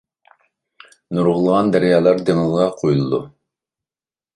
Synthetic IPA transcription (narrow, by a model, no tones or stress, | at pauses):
nuɾʁʊlˠəʁɑnd̪æɾjɑːlˠɑɾd̪eŋəlˠʁɑqʰojulˠɨd̪u